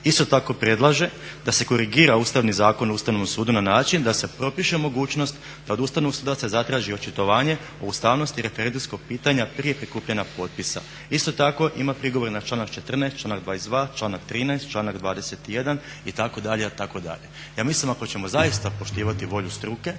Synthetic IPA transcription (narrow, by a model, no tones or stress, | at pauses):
ist̪o̞t̪ako̞pɾe̞d̪lˠaʒe̞d̪ase̞ko̞ɾiɡiːɾauːst̪aʋnizaːko̞nouːst̪aʋnoʋomsuːd̪unanaːt͡ʃind̪ase̞pɾo̞piʃemo̞ɡuːt͡ʃnost̪ | d̪ao̞d̪uːst̪aʋnooɡsuːd̪ase̞zat̪ɾaːʒio̞t͡ʃet̪o̞ʋaːɲe̞ | oust̪aʋno̞st̪iɾe̞feɾe̞nd̪umsko̞ɡ̚piːt̪aɲapɾije̞pɾikuːpʎenapo̞ːt̪̚pisa̰ | ist̪o̞t̪ako̞ʔimapɾiɡoʋo̞ɾenat͡ʃlaːnakt͡ʃe̞t̪r̩naest̪t͡ʃlˠaːnakd̪ʋaːizd̪ʋaːt͡ʃlˠaːnakt̪ɾiːnajst̪t͡ʃlaːnakd̪ʋaːd̪ese̞t̪ijed̪an | it̪ako̞d̪aʎet̪ako̞d̪a̰ʎe̞ | jaːmislimako̞t͡ɕe̞mo̞zajist̪apo̞ʃt̪iːʋat̪iʋo̞ʎust̪ɾuke̞